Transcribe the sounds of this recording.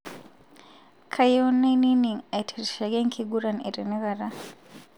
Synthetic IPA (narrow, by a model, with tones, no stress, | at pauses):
kʰa˨jo˦ne˦ni˦ni˨ŋa˨i˨tʰe˨ɾi˨ʃa˨ɡe˦ŋkʰi˦ɡu˦ɾa˨ne˨ɾi˨ni˦ɣa˨ɾa˦